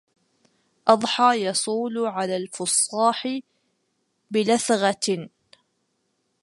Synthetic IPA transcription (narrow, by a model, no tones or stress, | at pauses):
ʔɑd̪ˤħɑːjɑsˤuːlʕalaːlfʊsˤːɑːħɪ | bɪlaθɣɑ